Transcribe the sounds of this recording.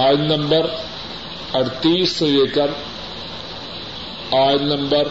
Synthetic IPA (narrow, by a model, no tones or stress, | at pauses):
aːjnɐmbɐr | ɐɽt̪ːisɨjekːɐr | aːjnɐmbɐr